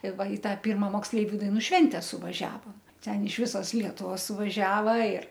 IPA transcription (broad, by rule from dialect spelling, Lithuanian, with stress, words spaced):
ɪ ˈʋɐ ɪ ˈtɑː ˈpʲɪrmɐ moːksʲˈlʲɛɪʋʲʊ dɐɪˈnuː ˈʃʲʋʲɛnʲtʲɛ sʊʋɐˈʒʲæːʋoːm ˈtʲɛn ɪʃ ˈʋʲɪsoːs ˈlʲiɛtʊʋoːs sʊʋɐˈʒʲæːʋɐ ɪr